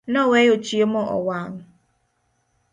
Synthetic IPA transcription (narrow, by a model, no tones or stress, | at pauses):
nɔwejot͡ʃiemɔʔɔ̰waŋ̩